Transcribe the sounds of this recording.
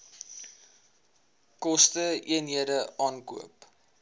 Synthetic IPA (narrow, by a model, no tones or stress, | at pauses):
kɔstəiənɦiədəɑːnkṵəp